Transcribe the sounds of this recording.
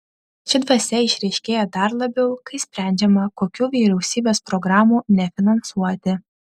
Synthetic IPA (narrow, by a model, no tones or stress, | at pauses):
ʃʲɪd̪ʋɐsʲɛɪʃʲɾʲɛɪʃʲkʲeːjɛd̪ɐɾlˠɐbʲɛʊkɐɪsʲpʲɾʲæˑnʲd͡ʒʲɛmɐkoːkʲuːʋʲiːɾʲɛʊsʲiːbʲeːspɾɔɡɾɑːmuːnʲɛfʲɪnɐnsuɔt̪ʲɪ